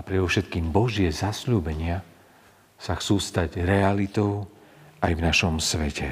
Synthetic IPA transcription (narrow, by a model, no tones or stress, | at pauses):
apɾɛd̪ɔʊʃɛt̪kiːmbɔʒɪɛzasʎuːbɛɲɪa | saxt͡suːst̪aɟɾɛalit̪ɔʊ | ajvnaʃɔmsʋɛcɛ